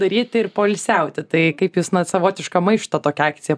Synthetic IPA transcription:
d̪ɐɾʲiːt̪ʲɪrpoːlʲsʲɛʊt̪ʲɪt̪ɐɪkɐɪpjusnɐsɐʋoːt̪ʲɪʃkɐmɐɪʃt̪ɐt̪oːkʲɛɑːkt͡sʲɪjɛ

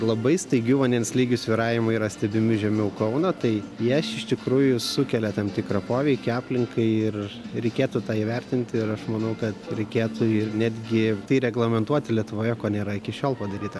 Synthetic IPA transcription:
lˠɐbɐɪst̪ɐɪɡʲuʋɐndʲɛnslʲiːɡʲʊsʲʋʲiɾɑːjʲɪmʊiːɾɐsʲt̪ʲɛbʲɪmʲɪʒʲɛmʲɛʊkɐʊnɐt̪ɐɪjɛsɪʃt̪ʲɪkɾuːjʊsʊkʲɛlʲɛt̪ɐmt̪ʲɪkɾɐpoːʋʲɛɪkʲɪɑːpʲlʲɪŋkɐɪɪrɾʲɛɪkʲeːt̪ʊt̪ɑːiʋʲɛrʲt̪ʲɪnʲt̪ʲɪɾɐʃmɐnɐʊkɐt̪ɾʲɛɪkʲeːt̪ʊɪnʲæːd̪ʲɡʲɪt̪ɐɪɾʲɛɡlˠɐmʲɛnt̪uɔt̪ʲɪlʲiɛt̪ʊʋoːjɛkoːnʲeːɾɐɪkʲɪʃʲoːlˠpɐd̪ɐɾʲiːt̪ɐ

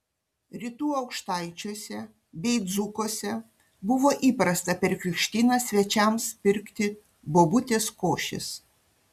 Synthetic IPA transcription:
ɾʲit̪uːɒʊkʃt̪ɐɪt͡ʃʲoːsʲɛ | bʲɛɪd̪zʊkoːsʲɛ | bʊʋoːʔiːpɾɐst̪ɐpʲɛɾʲkʲɾʲɪkʃʲt̪ʲiːnɑsʲʋʲɛt͡ʃʲɛˑmspʲɪɾʲkt̪ʲɪ | boːbʊt̪ʲeːskoːʃʲɪ̰s

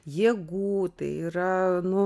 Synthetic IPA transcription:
jiɛɡuːt̪ɐ̰iɾɐnʊ

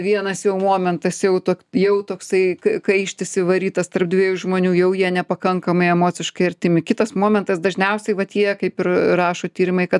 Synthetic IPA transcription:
ʋʲiɛnɐsjɛʊmoːmʲɛnt̪ɐsjɛʊt̪oːkjɛʊt̪oːksɐɪkɐkɐɪʃʲt̪ʲɪsʲɪʋɐɾʲiːt̪ɐst̪ɐrb̚d̪ʲʋʲiɛjuʒmoːnʲuːjɛʊjiɛnʲɛpɐkɐŋkɐmɐɪɛmoːt͡sʲɪʃkɐɪɐrʲt̪ʲɪmʲɪkʲɪt̪ɐsmoːmʲɛnt̪ɐsd̪ɐʒʲnʲɛʊsʲɛɪʋɐt̪jiɛkɐɪpɪrrɑːʃoːt̪ʲiːɾʲɪmɐɪkɐt̪

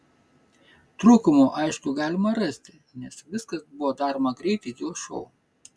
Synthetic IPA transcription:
t̪ɾuːkʊmoʔɐɪʃkʊɡɑːlʲɪmɐɾɑsʲt̪ʲɪ | nʲɛsʋʲɪskɐsbʊʋɔːd̪ɑːɾomɐɡɾʲɛɪt̪ʲɛɪd̪ʲeːlˠʃɔ̰ʊ

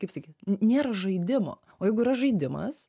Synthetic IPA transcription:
kɐɪpsɑːkʲiːt̪nʲeːɾɐʒɐɪd̪ʲɪmo̰ː | oːjɛɪɡʊiɾɐʒɐɪd̪ʲɪmɐ̰s

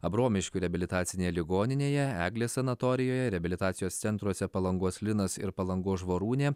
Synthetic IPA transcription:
ɐbɾoːmʲɪʃʲkʲuɾʲɛɐbʲɪlʲɪt̪ɑːt̪sʲɪnʲeːjɛlʲɪɡoːnʲɪnʲeːjɛæːɡlʲeːssʲɐnɐt̪ɔːɾʲɪjoːjɛɾʲɛɐbʲɪlʲɪt̪ɑːt̪sʲɪjoːsʲɛnt̪ɾuɔsʲɛpɐlˠɐŋɡoːslʲɪnɐsɪ̰ɾpɐlˠɐŋɡoːʒʋoːɾuːnʲeː

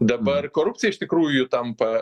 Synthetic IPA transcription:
d̪ɐbɐrkoːɾʊp̚ʲt͡ssʲɪjɛɪʃʲt̪ʲɪkɾuːjʊt̪ɐmpɐ

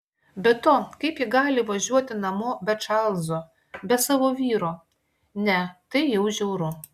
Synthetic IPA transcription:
bʲɛt̪oːkɐɪpjɪɡɑːlʲɪʋɐʒʲuɔt̪ʲɪnɐmoːbʲɛt͡ʃɑlˠzo | bʲɛsɑːʋoːʋʲiːɾoː | nʲɛt̪ɐɪjɛʊʒʲɛʊɾʊ

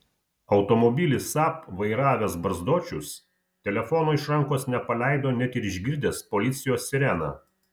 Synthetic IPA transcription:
ɒʊt̪ɔmɔbʲilʲɪsɑpʋɐɪɾɑːʋʲɛsbɐɾzd̪oːt͡ʃʲʊs | t̪ʲɛlʲɛfɔnoːɪʃɾɐŋˑkoːsnʲɛpɐlʲæˑɪd̪oːnʲɛt̪ʲɪɾɪʒʲɡʲɪɾʲd̪ʲeːspɔlʲɪt̪sʲɪjoːsːʲɪɾʲɛnɑ̰

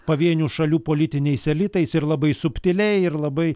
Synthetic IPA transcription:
pɐʋʲiɛnʲuːʃɐlʲuːpoːlʲɪt̪ʲɪnʲɛɪsʲɛlʲɪt̪ɐɪsɪɾlˠɐbɐɪsʊpʲt̪ʲɪlʲɛɪɪɾlˠɐbɐɪ

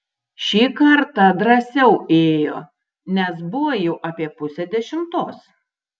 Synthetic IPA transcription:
ʃʲiːkɐɾt̪ɐd̪ɾɐsʲɛʊeːjoː | nʲɛs̬bʊʋojɛʊʔɐːpʲiɛpʊsʲɛd̪ʲɛʃʲɪmt̪oːs

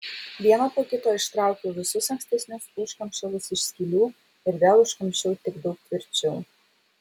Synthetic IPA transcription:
ʋʲiɛnoːpoːkʲɪt̪oːɪʃt̪ɾɑˑʊkʲoːʋʲɪsʊsɐŋʲksʲt̪ʲɛsʲnʲʊsʊʃkɐmʲʃʲɛlˠʊsɪʃsʲkʲiːlʲuː | ɪɾd̪ʲeːlˠʊʃkɐmʲʃʲɛʊt̪ʲɪɡd̪ɒʊk̚t̪ʲʋʲɪɾʲt͡ʃʲɛʊ

